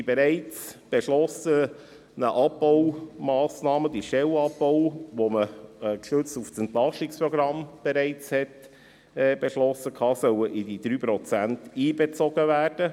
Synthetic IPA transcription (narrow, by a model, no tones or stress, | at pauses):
beɾɛɪt͡sb̥eʃlɔsə | nəʔɑpbɔwmɑːsnɑːməd̪iʃtɛlɑbbɔʊʋoməkʃɵt͡stufsɛnt̪lɑʃtikspɾɔɡɾɑmb̥eɾɛɪt͡shɛt | ɛb̥eʃlɔsːəkʰɑːsœwəʔidid̥̪ɾyːpɾɔt͡sæntiːbet͡sɔɡ̥əvæːrd̥ə